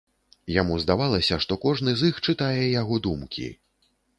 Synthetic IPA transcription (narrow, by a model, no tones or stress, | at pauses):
jamuzd̪avalˠɐsʲɐʂt̪ɔkɔʐnɨzixt͡ʂɨt̪ajɛjaɣɔd̪umkʲʰḭ